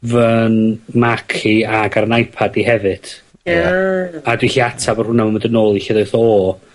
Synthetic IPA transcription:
vənmakʰiaɡaɾnajpʰadiɦɛvɨd̥ | adwiɬiatʰabɔrhʊnamaməndənoːlˠiɬiðejθɔ

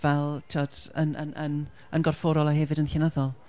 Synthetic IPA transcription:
vɛlˠtʰiɔdə̰nʔə̰nʔən | ənɡɔrfoːɾɔlˠaɦɛvɨdənɬɪnəðɔlˠ

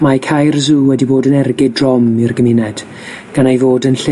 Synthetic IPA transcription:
makʰajrzuːwɛdiboːdənɛrɡɪdrɔmirɡəmɪnɛd̥ | ɡ̥anejvoːdənɬe

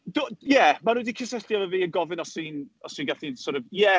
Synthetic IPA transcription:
d̥ojɛmanudikʰɪsɛɬjɔvəviːənɡɔvɪnɔsiːnɔsinɡaɬinsɔɾɔvjɛ

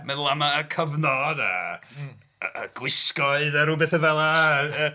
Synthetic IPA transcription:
mɛðʊlˠamaːkʰəvnɔda̰ | ɡ̥wɪskɔɨðaɾubeθəvɛlˠaə

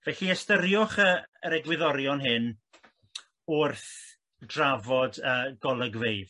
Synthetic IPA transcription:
vɛɬiəstəɾjʊχəəɾɛɡwɪðɔɾjɔnɦɨn | ʊrθ | d̥ravɔdəːɡɔlˠəɡveɨð̥

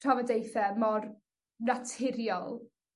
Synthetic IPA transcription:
avɔdejθɛmɔr | natʰɪɾjɔlˠ

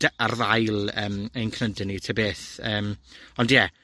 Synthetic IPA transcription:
arðajlˠəːmejnkʰnədɪnitʰəbeːθəːmɔndjɛ

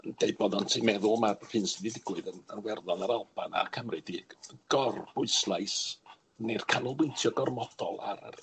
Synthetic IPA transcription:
ənd̥eɨd̚bɔðɔntʰimɛðʊlˠmar̥ɨnsɨdidɪɡwɨðənənwɛrðɔnaɾalˠb̥ana̰kʰəmrɨd̥iɡ̥ɔrbʊɨslˠajs | nejr̥kʰanʊlˠwejntʰjɔɡɔrmɔd̥ɔ̰lˠa̰ɾə̰

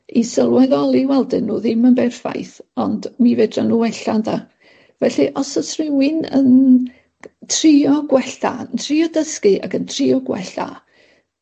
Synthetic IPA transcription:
isəlˠwɛðɔlˠiwɛlˠdɨnːuːðɪmənbɛrfa̰jθɔndmiveːdranuːɛɬanda | vɛɬiʔɔsəsrɪwɪnə̰n | tʰrɪɔɡwɛɬa̰ntʰrɪɔdəskɨʔa̰kəntʰriɔɡwɛ̰ɬa̰

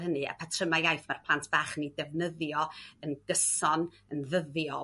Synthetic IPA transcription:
hənɨa̰pʰatʰrəmajajθmarpʰlˠantʰb̥aːχnidɛvnəðjɔənɡ̥əsɔn | ənðəðjɔ

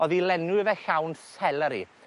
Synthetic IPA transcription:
ɔðilɛnuvɛɬawnsɛləɾḭ

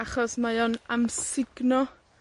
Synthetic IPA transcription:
aχɔsmajɔnamsɪɡnɔ

